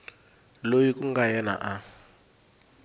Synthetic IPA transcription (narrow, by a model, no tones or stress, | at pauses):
lojikʼuŋɡajɛna̰ʔa